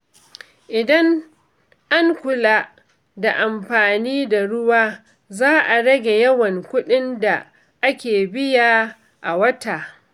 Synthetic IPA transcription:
ʔɪ˨dɐ˦ŋ | ʔa˦ŋkʷʊ˨la˦ | da˨ʔa˨mɸaː˨niː˦da˨ɽʊ˦waː˦ | zaː˦ʔa˨ɽɐ˦ɡʲe˨jɐ˦wɐ˨ŋkʷʊ˦ɗɪ˦nda˨ | ʔa˦kʲeː˨bɪ˦jaː˦ | ʔa˨wɐ˦taː˨

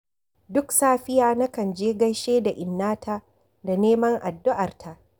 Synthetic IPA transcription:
dʊ˦ksaː˦ɸɪ˦jaː˦na˦kɐ˨nd͡ʒeː˦ɡɐ˦jʃeː˦da˨ʔɪ˨nːaː˦tʰa˦ | da˨neː˦mɐ˦ŋʔa˨dːʊ˦ʔa˨rtʰa˦ʔ

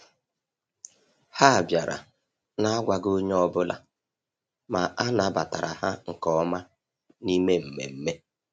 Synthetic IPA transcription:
ha˦˨bja˨ɾa̰˨ | na˦a˦ɡʷa˨ɡo˦ɲe˦ɔ˦bʊ˦la̰˦ | ma˨ʔa˦na˨˦˨ba˨ta˨ɾa˨ɦa˦ŋ̩˨kɔ˨˦ma˦ | ni˦me˦m̩˨mḛ˨m̩˦me˦

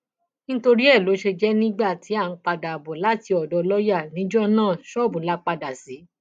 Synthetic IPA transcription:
ñ̩˦to˧ɾi˦ɛ˦˨lo˨˦ʃe˧d͡ʒɛ˦nĩ˦ɡ͡ba˦˨ti˨˦a˦˨n̩˨˦k͡pa˧da˨bɔ˨la˨˦ti˧ɔ˨dɔ˧lɔ˦ja˦˨nĩ˨˦d͡ʒɔ˦nãː˦˨ʃɔ˦˨bũ˨˦la˦k͡pa˧da˨si˨˦

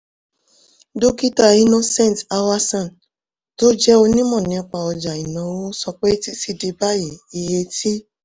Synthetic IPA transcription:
do˦ki˦ta˧i˦nõ˧sɛ̃˦˨ta˧wa˧sɔ̃˦˨n | to˦d͡ʒɛ˦o˧nĩ˦mɔ̃˦˨nĩ˨˦˨k͡pa˧ɔ˧d͡ʒa˨i˨nã˨˦wo˦sɔ˧k͡pɛ˦ti˦si˧di˧ba˦ji˨i˧je˧ti˦

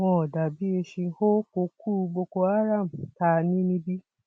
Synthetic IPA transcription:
wɔ̃˧ɔ˨da˨bi˦e˧ʃĩ˧ho˦ko˨˦kuː˦˨˧ɡ͡bo˧ko˧a˦ɾa˦˨m̩˨ta˧˦nĩ˦nĩ˧˦bi˦

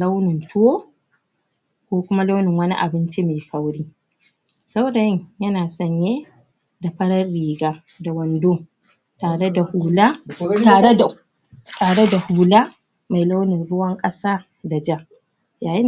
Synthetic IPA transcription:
la˦wnɪ˨ntʊ˦woː˦ | kʷoː˦kʷʊ˦ma˦la˦wnɪ˨ŋwɐ˦nḭ˦ʔa̰˨bɪ˦nt͡ʃi˦meː˨kɐ˦wɽiː˦ | sɐ˦wda˨jɪ˦ɲjɐ˦naː˨sɐ˦ɲje˦ | da˨ɸɐ˦ɽɐ˦rːiː˨ɡaː˦ | da˨wɐ˨ndoː˦ | taː˨ɽe˦da˨huː˨laː˦taː˨e˦a˨ | taː˨ɽe˦da˨huː˨laː˦ | ma˨jla˦wnɪ˨rɽʊ˦wɐ˦ŋkʼɐ˦saː˦ | da˨d͡ʒa˦ | jaː˨ji˦n

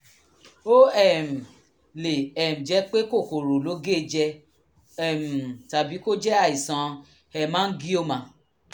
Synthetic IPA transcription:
o˦ɛ˦˨m̩˨ | le˨ɛ˨mũ˨d͡ʒɛ˨˦k͡pe˦ko˦˨ko˨ɾo˨lo˨˦ɡe˦˧d͡ʒɛ˧ | ɛ˦˨m̩˨ta˨bi˨˦ko˦d͡ʒɛ˦a˦˨i˨sã˨˧ | ɛ˧˨mãː˦n̩˦ɡi˦o˦˨mã˨˧˦

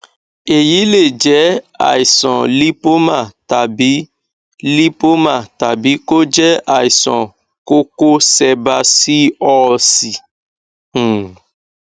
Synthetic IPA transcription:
e˨ji˨˦le˦˨d͡ʒɛ˨˦ | a̰˦˨i˨sɔ̃˨li˦po˦mã˦˨ta˨bi˨˦ | li˦po˦mã˦˨ta˨bi˨˦ko˦d͡ʒɛ˦a˨i˨sɔ̰̃˨ | ko˦ko˦sɛ˧ba˧si˦ɔ˦si˨

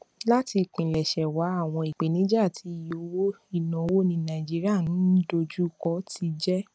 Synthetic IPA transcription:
la˦ti˧k͡pĩ˨lɛ˨ʃɛ˨wa˨˦a˦˨w̃ɔ̃˧i˨k͡pe˨nĩ˨˦d͡ʒa˦˨tʰi˧˦˨jo˧wo˦ | i˦˨nɔ̃˨˧wo˦nĩ˧nã˨i˨d͡ʒi˦ɾi˦a˦˨nũ˨˦do˧d͡ʒu˦kɔ˦ti˧d͡ʒɛ˦

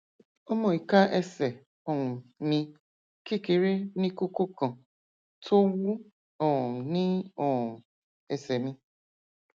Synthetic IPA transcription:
o˦mɔ̃˨i˨ka˦ʔe˦sɛ˨ | ɔ˨ŋʊ˨mĩ˧ | ki˦ki˨ɾe˦ni˦ku˦ko˦kɔ̃˨ | tʰo˦wu˦ | ɔ˨nĩ˦ɔ˨u˨ | e˨se˨mĩ˦

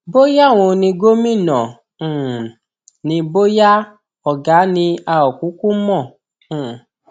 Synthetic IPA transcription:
bo˦ja˦˨w̃õ˧nĩ˧ɡo˦mĩ˦˨nã˨ | nĩ˧bo˦ja˦ | ɔ˨ɡa˨˦nĩ˧a˧ɔ˨ku˨˦ku˦mɔ̃˦˨

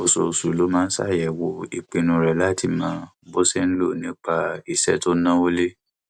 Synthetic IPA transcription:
o˨so˨su˨lo˨˦mãː˦˧n̩˦sa̰˦˨jɛ˨wo˧i˨k͡pe˨˧nũ˨˧ɾɛ˨la˦ti˦˨mãː˨˦ | bo˦sɛ˦n̩˦lo˦˨nĩ˨˦k͡pa˧i˨sɛ˦to˦nã˦o˦le˦

